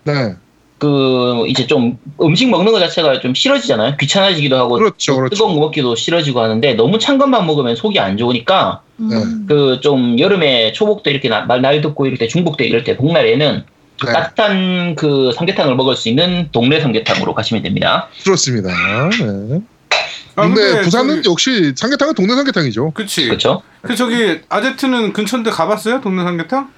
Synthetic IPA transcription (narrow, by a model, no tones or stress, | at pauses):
ne | kɯḭd͡ʑe̞t͡ɕomɯmɕʰiŋmʌŋnɯŋɯɭt͡ɕat͡ɕʰe̞ɡat͡ɕomɕʰiɾʌd͡ʑid͡ʑanajokɥit͡ɕʰanɦaɕiɡidohaɡot͡ɕʰtɯɡʌŋɡɯmʌk͈idoɕʰiɾʌd͡ʑiɡohanɯnde̞nʌmut͡ɕʰaŋɡanmaŋmʌɡɯmjʌnsʰoɡia̰nd͡ʑouɲik͈a | kɯt͡ɕ͈omjʌɾɯme̞t͡ɕʰobok̚t͈weiɾʌkʰe̞amaɭnadɯk͈oiɾʌɭtʰet͡ɕuŋbok̚t͈weḭɾʌɭtʰe̞poŋnaɾe̞nɯn | natʰankɯsʰaŋɡe̞tʰaŋɯɭmʌɡɯɭs͈uinːɯntoŋne̞sʰaŋɡe̞tʰaŋɯ̰ɾo̰kaɕʰimʌndwemɲḭda̰kɯɾʌs͈ɯmɲidane | aɯɯnepus̬ʰanɯnjʌk̚ɕ͈isʰaŋɡetʰaŋɯntoŋnesʰaŋɡetʰaŋid͡ʑokɯt͡ɕʰikɯt͡ɕʰo | kɯt͡ɕʌɡiad͡ʑetʰɯnɯnkɯnt͡ɕʰʌndekabas͈ʌjotoŋnesʰaŋɡetʰaŋ